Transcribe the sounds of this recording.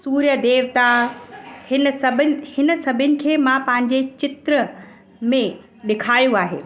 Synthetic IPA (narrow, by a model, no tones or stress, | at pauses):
suːɾjəd̪eːʋt̪a | hɪnsɐbʱɪnhɪnəsɐbʱɪnɪ̆kʰeːmãpɐ̃ɦɪ̃ɲ̆d͡ʑet͡ɕɪt̪ɾə | mẽ | ɗɪkʰaːjũaːɦḛː